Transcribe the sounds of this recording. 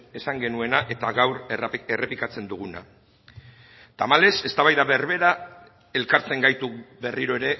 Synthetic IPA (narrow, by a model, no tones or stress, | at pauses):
e̞saŋɡe̞nue̞naʔe̞t̪aɣawɾerʔepikat͡se̞nd̪uɣ̞una̰ | t̪amale̞se̞st̪aβajðaβe̞rβe̞ɾa | e̞lkaɾt͡se̞ŋɡajt̪ube̞riɾo̞e̞ɾe̞